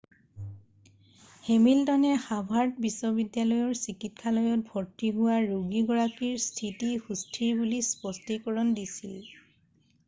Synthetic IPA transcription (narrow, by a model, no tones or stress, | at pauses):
hemiltɔnɛxabʱaɹtbisɔbidjalɔjɔɹsikit̚kʰalɔjɔt̚bʱɔɹtiɦuwaɹuɡiɡɔɹakiɹstʰitihustʰiɹbulispɔstikɔɹɔndisil